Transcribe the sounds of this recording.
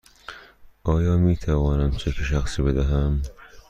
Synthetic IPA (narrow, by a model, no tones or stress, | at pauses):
ʔɒːjɒːmiːt̪ʰævɒːnæmt͡ʃʰekʰeʃ̬æxsiːbed̪æɦæm